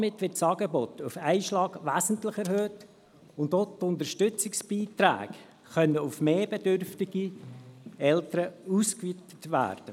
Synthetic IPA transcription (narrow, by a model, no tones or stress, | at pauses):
mɪtːʋɪtsɑːɡɛbot̪ufæɪʃlɑːɡʋæːzən̩tlɪχɛɾhøːt | ʊntotʊntəʃtʏt͡sɪksb̥iːtɾæ̰ːk | χœnːəufmeːbɛdørftɪɡi | ɛltəɾəuːskʋitə̥tʋæ̰ːɾd̥ə